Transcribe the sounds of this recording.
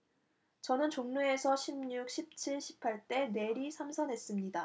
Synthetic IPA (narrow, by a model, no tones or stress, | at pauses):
t͡ɕʌnɯnt͡ɕoŋnue̞sʰʌɕʰimɲuk̚ɕ͈ʰip̚t͡ɕʰiɭɕʰi̥pʰaɭt͈e̞ne̞ɾisʰamsʰʌnɦe̞s͈ɯmɲida